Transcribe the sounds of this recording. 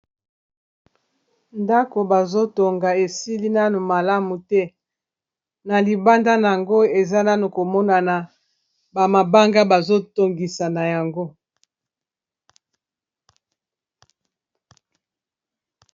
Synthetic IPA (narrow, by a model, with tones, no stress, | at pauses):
nda˦ko˨ba˨zo˦to˨ŋɡa˨e˨si˦li˦na˦nu˨ma˨la˦mu˨tɛ˦ | na˨li˨ba˦nda˦na˨a˨ŋɡo˦e˨za˦na˦nu˨ko˨mɔ˦na˨na˨ | ba˨ma˨ba˦ŋɡa˦ba˨zo˦to˨ŋɡi˨sa˨na˨ja˨ŋɡo˦